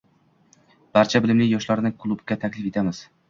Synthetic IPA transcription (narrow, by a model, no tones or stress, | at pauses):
b̥aɾt͡ʃʰabɪlɪmlɪkʲjɒʃlaɾnɪkʰʊlˠubɡʲat̪ʰakʲlɪfet̪ʰamɪz̥